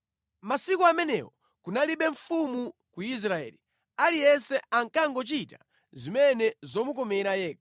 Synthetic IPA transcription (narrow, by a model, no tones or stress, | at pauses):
masikɔamɛnɛ̰wɔ | kunaliɓɛɱfumukuis̬ɾaɛ̰ːli | alijɛsɛaŋkaŋɡɔt͡ʃita | zimɛnɛzɔmukɔmɛɾajɛːkḁ